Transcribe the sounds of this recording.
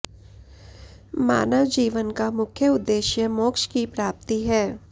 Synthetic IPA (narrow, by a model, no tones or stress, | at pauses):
ma̰ːnəʋd͡ʒiːʋənkamʊkʰjəʊd̪ːeːʃjəmoːkʃkipɾaːp̚t̪iɦɛː